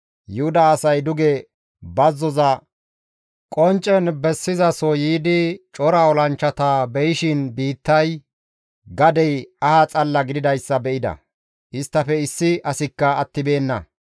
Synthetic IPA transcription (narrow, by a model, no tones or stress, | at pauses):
jʊhʊd̪aːsɐjd̪ʊɡɛ | bɐzːɔzɐ | kʼɔnt͡ʃʼɛnbɛsːɪzɐsɔjiːd̪ɪt͡ʃʼɔɾɐɔlɐnt͡ʃːɐt̪ɐbɛjɪʃɪnbiːt̪ːɐj | ɡɐd̪ɛjɐhat͡sʼɐlːɐɡɪd̪ɪd̪ɐjsːɐbɛʔɪd̪ɐ̰ | ʔɪst̪ːɐfɛɪsːɪʔɐsɪkːɐːt̪ːɪbe̞ːnːɐ̰